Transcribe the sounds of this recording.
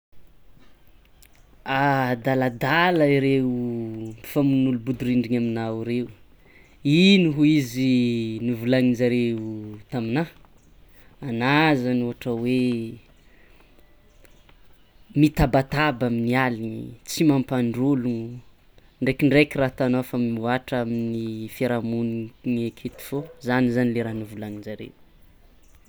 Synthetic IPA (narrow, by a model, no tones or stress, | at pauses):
ad̪alad̪aləiɾeupi̥famunulubud̪uɾiɳɖ͡ʐiɲaminaiɾewu | inuɦuizinivulaŋizaɾeut̪amina | anazanoɦaʈ͡ʂəwe | mit̪abat̪abaminialiit͡simampaɳɖ͡ʐuluŋ | ɳɖ͡ʐekiɳɖ͡ʐekiraːt̪anofamimuaʈ͡ʂaminifeɾamunŋekʰet̪i̥fozanizanileɾanivulaŋid͡ʒaɾḛw